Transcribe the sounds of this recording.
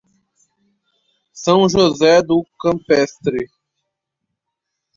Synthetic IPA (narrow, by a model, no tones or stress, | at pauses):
sɐ̃w̃ʒozɛd̪ʊkɐ̃mpɛst̪ɾɪ